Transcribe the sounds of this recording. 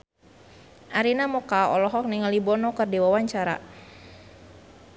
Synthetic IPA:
ʔaɾinamɔkaɔ̰lɔɦɔk̚niŋalibɔnɔkərdiwawaɲt͡ʃaɾa̰

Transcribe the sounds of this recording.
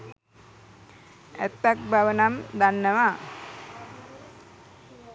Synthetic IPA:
æt̪ːak̚bʱaʋənamd̪anːəʋa

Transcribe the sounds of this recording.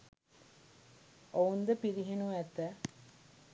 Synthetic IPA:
ʔound̪əpiɾiɦenuæt̪æ

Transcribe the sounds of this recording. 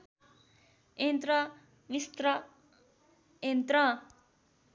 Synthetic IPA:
ent̪ɾʌ | mist̪ɾʌ | ent̪ɾʌ

